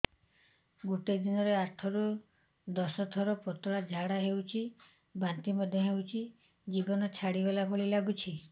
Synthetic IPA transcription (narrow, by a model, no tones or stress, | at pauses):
ɡoʈed̪inɔɾeaʈʰɔɾu | d̪ɔsɔt̪ʰɔɾɔpɔt̪ɔɭad͡ʒʱaɽaɦewt͡ʃʰi | bant̪imɔd̪ʱjɔɦewt͡ʃʰi | d͡ʒibɔnɔt͡ʃʰaɽibelapʰoɭilaɡut͡ʃʰi